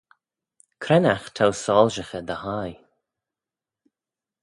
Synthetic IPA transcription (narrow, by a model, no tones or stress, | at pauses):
kʰɾɛnaxt̪ʰawsɔːlʒəxəd̪əhaj